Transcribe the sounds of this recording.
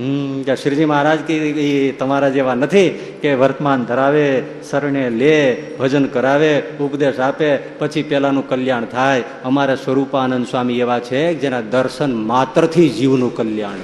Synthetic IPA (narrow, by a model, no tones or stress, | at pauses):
ɦkaʃɾd͡ʒimaɦaɾad͡ʒkiit̪əmaɾad͡ʒeʋanət̪ʰi | keʋəɾt̪əmand̪ʱəɾaʋe | səɾɳelebʱəd͡ʒənkəɾaʋeʊpd̪eʃape | pət͡ʃʰipɛlanũkəljaɳ̃t̪ʰaj | əmaɾesʋəɾupaːnənd̪sʋamieʋat͡ʃʰekd͡ʒenad̪əɾʃənmat̪ɾət̪ʰid͡ʒiʋnũkəljaɳ